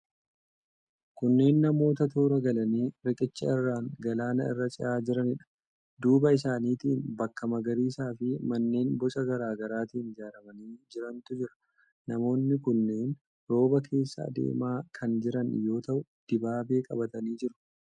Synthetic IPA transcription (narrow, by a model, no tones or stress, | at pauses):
kʊnːe̞ːnːɐmo̞ːt̪ɐt̪uːɾɐɡɐlɐniːɾɪkʼɪt͡ʃːɐ̰ɪrːaːŋɡɐlaːnɐɪ̰rːɐt͡ʃʼɪ̰ʔaːd͡ʒɪɾɐnɪᶑɐ̥ | d̪uːbɐɪsaːniːt̪iːnbɐkːɐmɐɡɐɾiːsaːfɪmɐnːe̞ːnbɔt͡ʃʼɐɡɐɾaːɡɐɾaːt̪iːnd͡ʒaːɾɐmɐniːd͡ʒɪɾɐnt̪ʊd͡ʒɪɾɐ̥ | nɐmo̞ːnːɪkʊnːeːn | ɾo̞ːbɐkʰe̞ːsːɐ̰ːd̪ḛːmaːkʰɐnd͡ʒɪɾɐnjo̞ːt̪ɐʔʊd̪̥ɪbaːbeːkʼɐbɐt̪ɐniːd͡ʒɪɾʊ̥